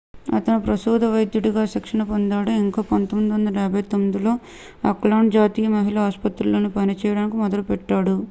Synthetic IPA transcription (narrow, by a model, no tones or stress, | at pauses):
ɐ̰t̪ɐnupɾɐsuːd̪ɐʋɐjd̪juɽiɡaːʃikʂɐnɐpond̪aːɽuiŋkaːpont̪omid̪iʋɐnd̪ɐɾɛːbʱɐjt̪omːid̪ilo̞ː | ɐ̰klaːɳd͡ʒaːt̪iːjɐmɐɦiɭaaːspɐt̪ɾulːo̞ːnipɐnit͡ʃɛːjɐɽaːnikimɔd̪ɐlupɛʈːaːɽu